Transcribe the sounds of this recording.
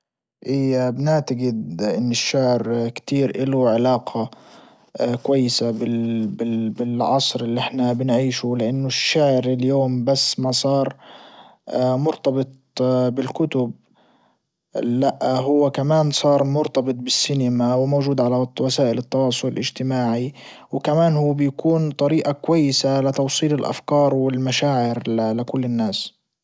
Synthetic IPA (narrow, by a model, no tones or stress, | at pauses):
ʔijabnɪʕt̪aɡɪd̪ʔɪnːɪʃːaʕɾkt̪iːɾʔɪluʕɪlaːqʰɑ | kwajːɪsabɪbɪbɪlʕɑsˤɾʔɪlːiʔɪħnabɪnʕiːʃulɪʔanːʊʃːaʕɾɪljoːmbasːmasˤɑːɾˤ | mʊɾt̪ɑbɨt̪̚ˤbɪlkʊt̪ʊb̚ | laʔɦʊwːakamaːnsˤɑːɾˤmʊɾt̪ɑbɨt̪̚ˤbɪsːɪnɪmawmoːʒuːd̪ʕalawasaːʔɪlɪt̪ːɑwɑːsˤʊlɪlʔɪʒt̪ɪmaːʕi | wkamaːnhʊːbɪjakʰuːnt̪ˤɑɾiːʔakwajːɪsalɪt̪ɑwsˤiːlɪlʔa̰fkɑːɾˤwɪlmaʃaːʕɪɾllɪkʊlːɪnːaːs